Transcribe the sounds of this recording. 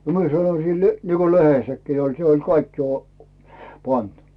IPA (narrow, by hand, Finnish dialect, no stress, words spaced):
nə mie sɑnoĭ silːeˑ niko lehesːækːiː olʲ se olʲ kɑikːi o pɑnt